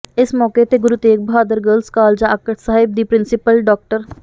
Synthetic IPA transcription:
ɪsmɔːket̪eɡʊɾuːt̪eːk̚bɦaːd̪əɾɡəːlskaːld͡ʒãːəkəʈʰsaːɦɪb̚d̪iːpɾɪnsɪpəlɖɔːk̚ʈəɾ

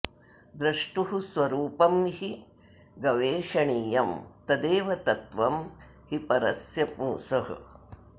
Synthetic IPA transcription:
d̪ɾɐʂʈuɦusʋɐɾuːpɐmhi | ɡɐʋeːʂɐɳiːjɐmt̪ɐd̪eːʋɐt̪ɐt̪ʋɐm | hipɐɾɐ̰sjɐpuːsɐɦɐ̰

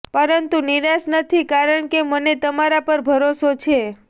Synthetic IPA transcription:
pəɾənt̪uniɾasnət̪ʰikaɾəɳkemənet̪əmaɾapəɾbʱəɾosot͡ʃʰe

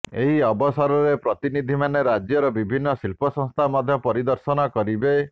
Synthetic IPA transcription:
eɦiɔbɔsɔɾɔɾepɾɔt̪inid̪ʱimaneɾad͡ʒjɔɾɔbibʱinːɔsilpɔsɔ̃ŋst̪ʰamɔd̪ʱjɔpɔɾid̪ɔɾsɔnɔkɔɾibe

